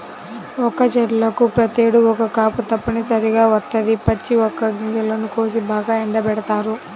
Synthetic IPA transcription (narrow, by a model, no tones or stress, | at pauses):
ɔkɐt͡ʃɛɾlɐkupɾɐt̪eːɽuɔkɐkaːput̪ɐpːɐnisɐɾiɡaːʋɐt̪ːɐd̪ipɐt͡ʃːiɔkːɐɡiŋɡɐlonukoːsibaːɡaːɛɳɖɐbɛɽɐt̪aːɾu